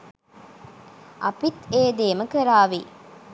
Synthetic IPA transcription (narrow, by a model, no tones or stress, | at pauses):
ʔɐpit̪eːd̪eːməkəɾaːʋi